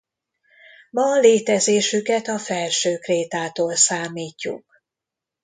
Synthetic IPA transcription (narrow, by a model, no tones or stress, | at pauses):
mɒleːt̪ɛzeːʃykɛt̪ɒfɛlʃøːkreːt̪aːt̪oːlsaːmiːcːṵk̚